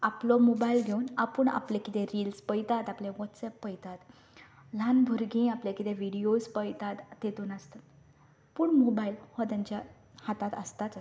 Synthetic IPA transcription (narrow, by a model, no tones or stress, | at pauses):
aplɔmobailɡʱeunapəɳa̰plẽkit̪ẽɾiːlspəjt̪at̪aplẽʋɔt̪sɛpːəjt̪at̪ | lanbʱəɾɡĩaplekit̪ẽʋiɽiospəjt̪at̪ːet̪uːnast̪a | puːɳmobailhɔt̪ãɲt͡ɕja | hat̪at̪əst̪a